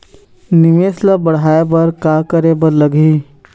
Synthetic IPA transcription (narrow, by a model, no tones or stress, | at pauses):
nɪmeːslabɐɽ̤aːebɐɾkaːkəɾebəɾləɡiː